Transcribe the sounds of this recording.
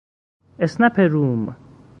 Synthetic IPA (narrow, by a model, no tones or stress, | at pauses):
esnapʰeɾum